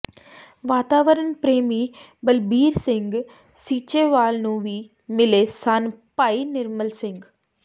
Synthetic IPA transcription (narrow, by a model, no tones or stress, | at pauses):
ʋaːt̪aːʋəɾənpɾeːmiː | bəlbiːɾsɪ̃ŋɡ | siːt͡ʃeːʋaːlnũːʋiː | mɪleːsanpaːiːnɪɾməlsɪ̃ŋɡ